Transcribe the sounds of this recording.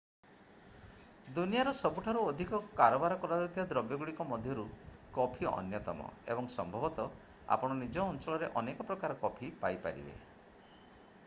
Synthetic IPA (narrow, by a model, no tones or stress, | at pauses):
d̪unijaɾɔsɔbuʈʰaɾuɔd̪ʱikɔkaɾɔbaɾɔkɔɾaɾɔt̪ijɔd̪ɾɔbjɔɡuɽikɔmɔd̪ʱjɔɾu | kɔpʰiɔ̰njɔt̪ɔmɔ̰ḛbɔŋsɔ̰mbʱɔbɔt̪ɔ | a̰pɔɽ̃ɔnid͡ʒɔːnt͡ʃɔɭɔɾeʔɔnekɔpɾɔkaɾɔkɔpʰipajpa̰ɾḭbḛ